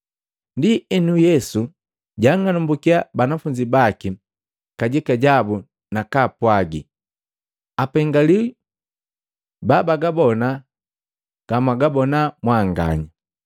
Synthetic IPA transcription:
ndiɛnujɛsu | ɟaŋanumbukiabanafuɲɟibaki | kaɟikaɟabu | nakapwaɡḭ | apɛŋɡali | babaɡabɔna | ɡ̥amaɡabɔnamwaŋɡa̰ɲa

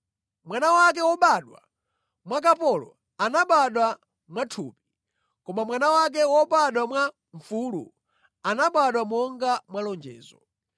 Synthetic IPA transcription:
mwanawak̬ɛwɔɓaɗwa̰ | mwakapɔlɔ̰ | anaɓaɗwa | mwatʰuːpi̥ | kɔmamwanawak̬ɛwɔɓaɗwamwa | ɱfuːlṵ | anaɓaɗwamɔŋɡamwalɔnd͡ʒɛ̰ːzɔ

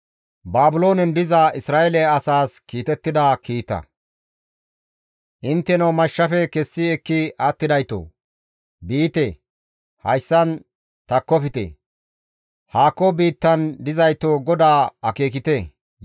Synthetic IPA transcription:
baːbʊlo̞ːnɛnd̪ɪzɐʔɪsɾaːʔelɛɐsaːskiːt̪ɛt̪ːɪd̪ɐkiːt̪ːɐ̰ | ʔɪnt̪ːɛnɐwmɐʃːɐfɛkɛsːɪɛkːɪʔɐt̪ːɪd̪ɐjt̪o̰ː | biːt̪e | hɐjsːɐn | t̪ɐkːɔfɪt̪ḛ | haːkːɔbiːt̪ːɐnd̪ɪzɐjt̪oːɡɔd̪aːɐke̞ːk̬ɪt̪e

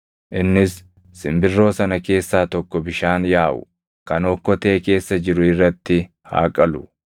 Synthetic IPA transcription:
ʔɪnːɪsː | ɪmbɪrːo̞ːsɐnɐke̞ːsːaːt̪ɔkːɔbɪʃaːnjaːʔʊ̰ | kɐnɔkːɔt̪e̞ːke̞ːsːɐd͡ʒɪɾʊɪrːɐt̪ːɪ | ha̰ːkʼɐlʊ

